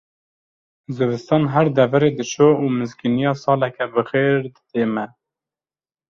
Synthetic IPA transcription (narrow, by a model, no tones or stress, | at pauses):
zɨvɨst̪ɑːnɦæɾd̪ɛvæɾeːd̪ɨʃoːuːmɨzkinijɑːsɑːlɛkʰɛbɨxeːɾd̪ɨt̪eːmɛ